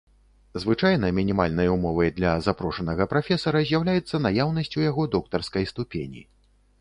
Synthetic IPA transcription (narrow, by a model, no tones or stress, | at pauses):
zvɨt͡ʂajnɐmʲinʲimalʲnɐjumɔvɐjd̪lʲɐzapɾɔʂɐn̪ɐɣɐpɾafʲɛsɐɾɐzʲjawlʲajɛt̪sːɐnajawn̪ɐsʲt͡sʲujaɣɔd̪ɔk̚t̪ɐrskɐjst̪upʲenʲḭ